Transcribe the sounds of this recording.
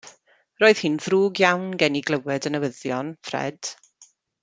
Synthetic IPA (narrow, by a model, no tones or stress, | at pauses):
roːɨð̥hinðruːɡjawnɡɛniɡlˠəwɛdənəwəðjɔnfrɛ̰d̥